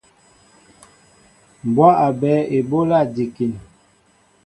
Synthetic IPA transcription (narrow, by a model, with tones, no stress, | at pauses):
m˨bwa˦ʔa˨bɛː˨˦e˨bo˦la˦˨di˨ki˨n